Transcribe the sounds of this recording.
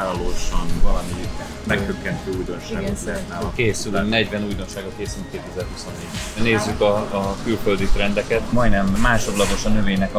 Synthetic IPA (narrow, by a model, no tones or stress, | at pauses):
aːlɒloːʃɒnvɒlɒmi | mɛkt̪økːɛnt̪øːuːjd̪o̞nʃa̰ːɡnsɛːakeːsylnɛɟvɛnuːjd̪o̞nʃaːɡɒkeːsylŋkeːt̪ɛzɛrhuso̞nːeːɟneːzːykɒːkylføld̪it̪rɛnd̪ɛkɛt̪mɒjnɛmːaːʃo̞d̪lɒɡ̪o̞ʃɒnøveːɲnɛkɒ